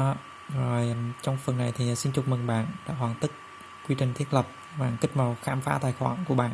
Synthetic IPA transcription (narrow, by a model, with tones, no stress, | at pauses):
zo˨˩jt͡ɕɔ˧wŋ͡mfɨ˨˩əŋna˨˩jt̪ʰi˨˩˨si˧nt͡ɕʊ˨˩p̚mɨ˨˩ŋɓa̰ː˧˨˩ŋɗa̰ː˧˨ɦwaː˨˩ŋt̪ɨ˦˥k̚ | kwi˧t͡ɕï˨˩ŋt̪ʰi˦˥t̚lə˨˩p̚ | ɓaː˧˩ŋkï˦˥k̚ma˧˩wxaː˧mfaː˧˥t̪aː˨˩jxwa̰ː˧˩ŋku˧˩əɓaː˨n